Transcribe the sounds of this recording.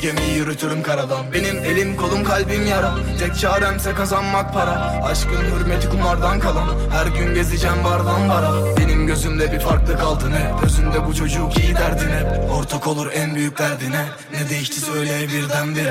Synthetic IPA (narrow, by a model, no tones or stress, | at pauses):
ɟemiijyɾut̪ʰyɾymkʰaɾad̪ˠambe̞nime̞lʲimkʰo̞lˠumkʰalʲbinjaɾɯ | t̪ʰɛc̚t͡ʃʰaːd̪æmsɛkazanmak̚pʰaɾa | aʃkɯnhyɾmet̪ikumˠaɾd̪ankʰalˠan | hæɾɟynɟe̞zid͡ʒænvaɾd̪anvaɾ | be̞nimɟø̞zymd̪ɛbiɾfaɾklˠɯkalˠt̪ʰɯnɯɟø̞zymd̪ɛbut͡ʃʰo̞d͡ʒuːcʰijid̪æɾd̪inɛoɾt̪ʰokʰo̞lˠuɾænbyjyc̚ʲd̪æɾd̪inɛ | nɛd̪eiʃt̪ʰisø̞jlʲeɛbiɾd̪ænd̪iɾ